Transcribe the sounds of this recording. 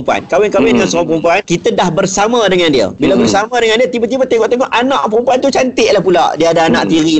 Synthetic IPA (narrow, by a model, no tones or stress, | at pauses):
mpua̰nkawɪnkawɪndəŋansãpɾumpuankit̪ədahbərsamə̃dəŋãndiə̰bilabərsamãdəŋandiət̪ibat̪ibat̪eɡɔʔt̪əŋɔhʔanãʔpɾumpuant̪ut͡ʃant̪ɪʔlahpula̰ʔdiəadaanã̰ʔt̪iɾi